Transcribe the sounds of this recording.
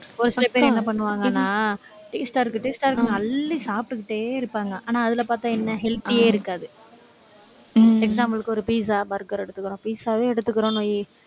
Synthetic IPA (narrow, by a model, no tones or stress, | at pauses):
ɔɾɯslɐpeːɾɛnːɐpɐɳːɯʋaːŋɡɐnːaː | ʈɛksʈaːɪɾɯkːɯʈːɛksʈaːɾɯkːɯŋɡɐlːisaːp̚ʈːɯkːɪʈːeːɪɾɯpːaːŋɡɐʔaːnːaːɐðɪlɐpaːɾt̪ãːɛnːɐɦɛlt̪ːieːɪɾɯkːaːðɯ | ɛks̬aːmpɐlɯkːɯɔɾɯpiːs̬aːpɐɪɾɯkːɯɾõɛɽɯt̪ːɯkːɯɾõːpiːsaːʋeːɛɽɯt̪ːɯkːɯɾõːnoːji